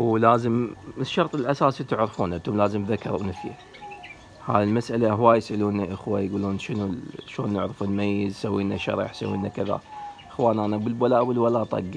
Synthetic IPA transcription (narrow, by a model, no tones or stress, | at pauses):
wlaːzəməʃːɑɾˤt̪ˤɪlʔasaːsit̪ɪʕɾɪfuːnʔat̪ʊmlaːzəmðakːɑɾˤwnɪfja̰ | ha̰ːðilmasʔalaʔɦwaːjɪsʔaluːnaʔaxwajɡuːluːnʃənuʃoːnːɪʕɾɪfɪlmajːɪzsawːiːnaʃɑ̰ɾˤɑ̰ħsawːḭːnakɪða̰ʔɪxwaːniʔanabəlbalaːʔbəlwalaːt̪ˤɑ̰ɡː